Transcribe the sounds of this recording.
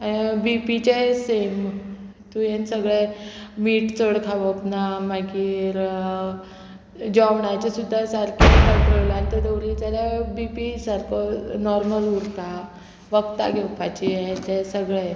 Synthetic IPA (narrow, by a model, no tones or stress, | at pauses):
abipit͡ɕesem | t̪ujensəɡɭemiːʈt͡səɽkʰaʋəknamakiɾ | d͡ʑɔʋɳat͡ɕesud̪ʱːasaɾkʰit̪akəlanit̪əd̪əwɾit͡saɾebipisaɾkʰənɔɾməluɾka | ʋəkt̪a̰ɡʱewpʰat͡ɕiet̪esəɡɭe